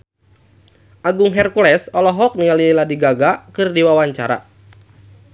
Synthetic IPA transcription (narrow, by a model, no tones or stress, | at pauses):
ʔaɡʊŋɦɛrkulɛsɔlɔɦɔk̚niŋaliiladiɡaɡakɨrdiwawaɲt͡ʃaɾa̰